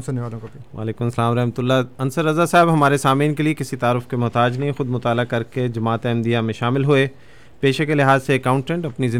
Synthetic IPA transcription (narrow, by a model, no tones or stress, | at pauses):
sʊnːeʋaːlõkobiʋa̰ːleːkʊmɐsɐlaːmɾɛɦmət̪ʊlːaɐnsəɾːɐzasaːɪbɦɐmaːɾesaːmĩːnkeliekɪsit̪aːɾʊfkemʊɦt̪aːd͡ʒnɐɦĩxʊd̪mʊt̪aːlakɐɾked͡ʒɐmaːt̪eɛ̃md̪ijamẽʃaːmɪlɦueː | peːʃekelɪɦaːzsekaːʊ̃ɳʈɛ̃ɳʈɐpnizɪ̃